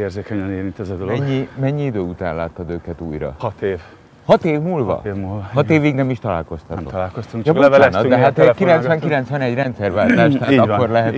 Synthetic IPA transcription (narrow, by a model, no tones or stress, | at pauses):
eːrzeːkɛɲɛneːɾint̪ɛzɛd̪oloɛɲːimɛɲːiid̪øːut̪a̰ːnla̰ːt̪ːɒd̪øːkɛt̪ṵːjɾɒ̰hɒt̪eːv | hɒt̪eːvmulvɒ̰vmuhɒt̪eːviːɡnɛmiʃt̪ɒla̰ːlko̞st̪ɒt̪o̰t̪ɒlaːlkost̪uŋkɒbvɛnɒd̪ɛɦat̪kilɛnsvɛŋkilɛnt̪sʋɛnɛɟrɛnt̪sɛrvaːt̪aːʃʃaːt̪ːɒkːo̞rlɛɦɛt̪